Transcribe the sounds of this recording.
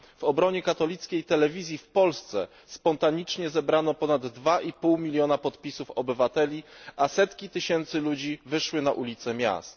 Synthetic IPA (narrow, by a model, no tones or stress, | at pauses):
v̥ɔbɾɔɲɛkat̪ɔlʲit̪skʲejt̪ɛlɛvʲizʲjifpɔlst̪sɛ | spɔnt̪aɲit͡ʂɲɛzɛbɾanɔpɔnad̪ːvaʔipuwmʲilʲjɔnapɔt̪pʲisufɔbɘvat̪ɛlʲiʔasɛt̪kʲit̪ɘɕɛnt̪sɘlud͡ʑivɘʂwɘnaʔulʲit̪sɛmʲja̰st̪